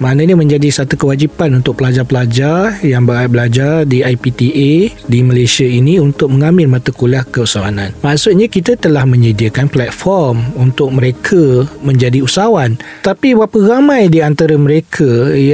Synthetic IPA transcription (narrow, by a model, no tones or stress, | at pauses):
manəɲamə̃ɲd͡ʒadisat̪ukəwad͡ʒipanunt̪ʊk̚pəlad͡ʒarpəlad͡ʒarjaŋbəabəlad͡ʒardiajpit̪iʔediməlasiainiunt̪ʊk̚məŋamɪlmat̪akulahkəusawa̰nãnmaʔsut̪̚ɲãkit̪at̪əlahmə̃ɲədiəkanplɛt̪̚fɔrmunt̪ʊk̚məɾekʰəmə̃ɲd͡ʒadiusawan | t̪apiwapəɾamãjdiant̪aɾəməɾekʰaj